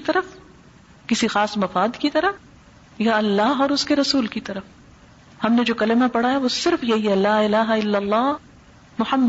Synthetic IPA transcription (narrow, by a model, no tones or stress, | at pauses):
t̪ɐɾəf | kɪsixaːsmɐfaːd̪kit̪ɐɾə | jaɐlːaːɦɔːɾʊskeɾɐsuːlkit̪ɐɾəf | hɐmned͡ʒoːkɐlɪmapɐɽ̤aːɦaʋosɪɾfjɐɦiɦɛlaːɪlaːɦaɪlːɐlˤːɑːɦ | mʊħɐmː